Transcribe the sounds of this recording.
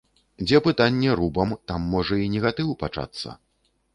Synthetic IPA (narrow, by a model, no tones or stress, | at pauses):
d͡zʲɛpɨt̪anʲːɛɾubɐmt̪amːɔʐɐinʲɛɣat̪ɨwpat͡ʂa̰t̪sːɐ̰